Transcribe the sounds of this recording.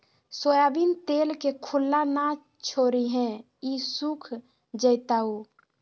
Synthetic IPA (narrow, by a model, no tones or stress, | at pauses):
sojabint̪elkekʰulːana | t͡ʃʰoɾiɦɛ̃ | isukʰ | d͡ʒəjt̪au